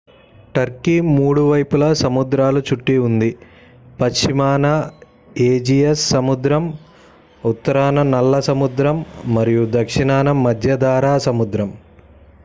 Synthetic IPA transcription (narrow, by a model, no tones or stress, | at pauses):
ʈɐɾkimuːɽuʋɐjpulɐsɐmud̪ɾaːlut͡ʃuʈːiund̪i | pɐʃt͡ʃimaːnɐ | eːd͡ʒiesːɐmud̪ɾɐm | ut̪ːɐɾaːnɐnɐlːɐsɐmud̪ɾɐmːɐɾijud̪ɐkʂiɳaːnɐmɐd̪ʱjɐd̪aːɾaːsɐmud̪ɾɐm